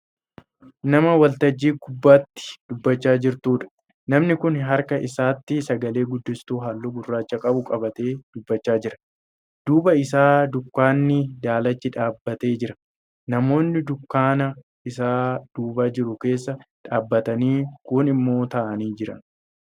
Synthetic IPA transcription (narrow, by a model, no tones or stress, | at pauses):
nɐmɐwɐlt̪ɐd͡ʒːiːɡʊbːaːt̪ːɪ̥d̪̥ʊbːɐt͡ʃːaːd͡ʒɪɾt̪uːᶑɐ̥ | nɐmnɪkʊnɦɐɾkɐʔɪsaːt̪ːɪsɐɡɐle̞ːɡʊd̪ːɪst̪uːɦalːuːɡʊrːaːt͡ʃːɐkʼɐbʊkʼɐbɐt̪e̞ːd̪̥ʊbːɐt͡ʃːaːd͡ʒɪɾɐ̥ | d̪̥uːbɐɪs̬aːd̪ʊkːaːnːɪd̪aːlɐt͡ʃːɪᶑaːbːɐt̪e̞ːd͡ʒɪɾɐ̥ | nɐmo̞ːnːɪd̪ʊkːaːnɐ | ɪs̬aːd̪̥uːbaːd͡ʒɪɾʊke̞ːsːɐᶑaːbːɐt̪ɐniːkʊnɪmːo̞ːt̪ɐʔɐniːd͡ʒɪɾɐ̰n